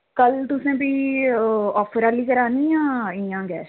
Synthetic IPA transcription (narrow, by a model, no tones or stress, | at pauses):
kəlt̪ʊsẽːpiː | ɔːpʰəɾaːliːkəɾaːniːãːɪjãːɡɛːs